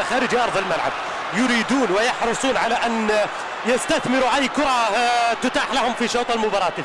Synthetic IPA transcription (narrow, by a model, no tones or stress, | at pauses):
xæɾəd͡ʒʔɑɾˤðˤəlmalʕa̰b̚ | jʊɾid̪uːnwəjɑħɾəsˤuːnʕalaʔæn | jəst̪aθmɪɾuʕæjːkʊɾˤɑt̪ʊt̪aħlahʊmfiʃɑwt̪ˤɑlmʊbɑɾˤɑt̪ə